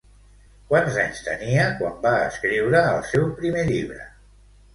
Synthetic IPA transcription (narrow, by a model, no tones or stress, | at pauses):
kwanzaɲst̪ə̰niəkwambaəskɾiwɾəːlˠsɛwpɾimeʎiβɾə̰